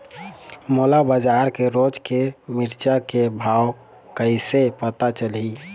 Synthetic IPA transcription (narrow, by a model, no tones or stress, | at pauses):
molabəd͡ʒaɾkeɾod͡ʒkemiɾt͡ʃakebʱaw | kəɪsepət̪at͡ʃəlɦi